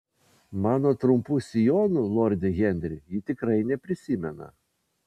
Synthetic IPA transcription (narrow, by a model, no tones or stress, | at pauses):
mɑːnoːt̪ɾʊmpusʲɪjoːnʊlˠɔɾʲd̪ʲɪɣʲɛnʲd̪ʲɾʲɪjɪt̪ʲɪkɾɐɪnʲɛpʲɾʲɪsʲɪmʲɛnɐ̰